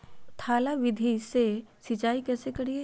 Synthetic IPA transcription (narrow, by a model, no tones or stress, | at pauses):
t̪ʰaːlaʋɪd̪ʱisesɪt͡ʃaːikɛːsekɐɽie